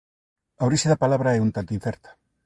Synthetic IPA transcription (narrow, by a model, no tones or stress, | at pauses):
aoɾiʃeðɐpalaβɾɐɛunt̪ant̪uĩn̟θɛɾt̪ɐ̥